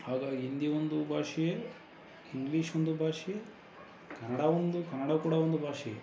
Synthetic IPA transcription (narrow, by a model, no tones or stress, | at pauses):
haːɡaːɡiind̪ijɐond̪ubʱaːʂije | iŋɡliːʂond̪ubʱaːʂije | kɐnɐɽaond̪ukɐnːɐɽaːkuːɽɐond̪ubʱaːʂɛjḛ